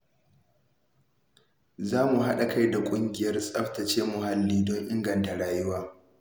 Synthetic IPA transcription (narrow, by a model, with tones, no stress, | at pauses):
zaː˦mu˨ɦa˦ɗa˨ka˦jda˨kʷʼʊ˦ŋɡʲɪ˨jɐ˦rsʼɐ˦ɸtɐ˨t͡ʃeː˦mʊ˨ha˦lːiː˦dɔ˦ŋʔɪ˦ŋɡɐ˨nta˨ɽaː˦jʊ˦waː˦